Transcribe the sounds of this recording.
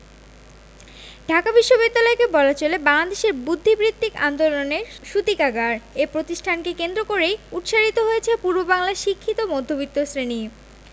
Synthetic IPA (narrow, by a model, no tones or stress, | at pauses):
ɖʱakabiʃːobid̪ːalɔekebɔlat͡ɕolebaŋlad̪eʃeɾbud̪ʱːibɾit̪ːikand̪oloneɾʃut̪ikaɡaɾepɾot̪iʃʈʰankekend̪ɾokoɾejut̪ʃaɾit̪oɦojet͡ɕʰepuɾbobaŋlaʃikʰːit̪omod̪ʱːobit̪ːosɾeni